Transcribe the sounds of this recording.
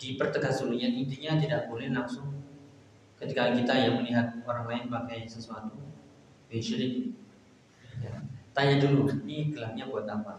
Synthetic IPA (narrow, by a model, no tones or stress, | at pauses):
dipərt̪əɡasuluɲaint̪iɲat̪idaʔbolɛhlaŋsʊŋ | kət̪ikakit̪ajaŋməliɦat̪̚oɾaŋlaɪnpakajsəsuat̪u | bɛtʃəɾɪk̚ | jat̪aɲad͡ʒulunikəlak̚ɲabuat̪̚lampa